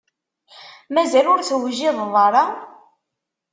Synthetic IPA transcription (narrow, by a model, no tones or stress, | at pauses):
mæzælʊɾθwʒiɪðˤðˤɑɾˤɑ